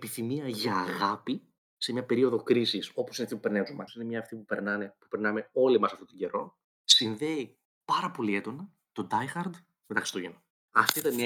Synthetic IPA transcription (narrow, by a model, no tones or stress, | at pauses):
piθimiɐʝɐːɣɐpi | se̞mɲɐpe̞ɾio̞ðo̞kɾisiso̞po̞sineɐft̪ipupe̞ɾnezomɐsine̞mɲɐːft̪ipupe̞ɾnɐne̞pupe̞ɾnɐme̞o̞limɐsɐft̪ot̪oɟe̞ɾo̞ | sinðe̞i | pɐɾɐpo̞lie̞d̪o̞nɐ | t̪o̞d̪ɐjxɐɾd̪ | met̪ɐksi̥t̪oʝeno | ɐft̪oɐit̪ɐnm